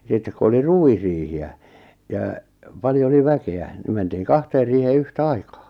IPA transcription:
sitːek ku oli ruwisriːhiæ jɑː pɑljo oli ʋækeæ ni mentiːŋ kɑhteːr riːheː yhtæ̆ ɑikɑː

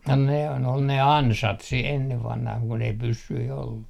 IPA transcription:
no nehæn ol ne ɑnsɑt si enːe ʋɑnhɑh kun ei pysːyi olːu

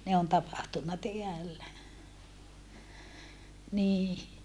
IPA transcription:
ne on tɑpɑhtunːɑ teælːæ niː

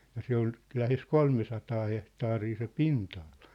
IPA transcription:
jɑ se ol læhes kolmesɑtɑː hehtɑːriː se pintɑɑl̥ɑ̥

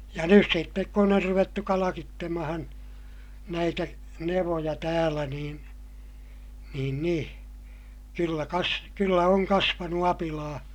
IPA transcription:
jɑ nys sitːek kun or ruʋetːu kɑlɑkitːemɑhɑn næitæ neʋojɑ tæːlæ niːn̞ niːn nĩː kylːæ kɑs kylːæ oŋ kɑsʋɑnu ɑpilɑː

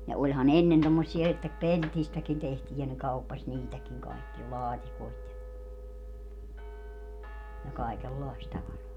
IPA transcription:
jɑ olʲhɑn enːen tomːosːie etːæ peltistækin tehtiː jɑ ne kɑupːɑsʲ niːtækiŋ kɑikːiɑ lɑːtikoit jɑ jɑ kɑˑikelːɑˑist tɑʋɑrɑː

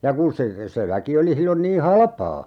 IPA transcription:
jɑ kun se se ʋæki oli silːon niː hɑlɑ̆pɑː

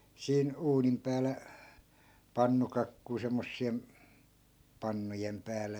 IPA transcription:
siːn uːnim pæːlæ pɑnːukɑkːui semːosːiem pɑnːujem pæːlæ

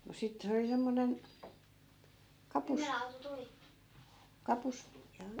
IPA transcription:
no sit se oli semːonen kɑpus kɑpus jɑ

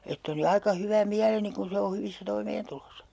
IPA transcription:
etː oli ɑikɑ hyʋæ miæleni kun̞ se o hyʋisːæ toimeːntulosɑ

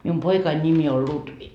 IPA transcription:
mium poikɑin nimi ol lutʋi

